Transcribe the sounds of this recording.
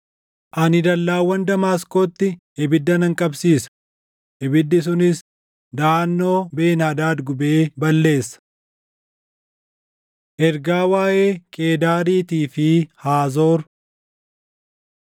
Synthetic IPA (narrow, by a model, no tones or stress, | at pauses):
ʔɐnɪd̪ɐlːaːwːɐnd̪ɐmaːskoːt̪ːɪʔɪbɪd̪ːɐnɐŋkʼɐbsiːsɐ̥ | ʔɪbɪd̪ːɪs̬ʊnɪs | d̪aːnːo̞ːbe̞ːnhɐd̪aːd̪ɡʊbeːbɐlːe̞ːsːɐ̥ | ʔɛɾɡaːwaːʔe̞ːkʼe̞ːd̪aːɾiːt̪iːfɪhaːzo̞ːɾ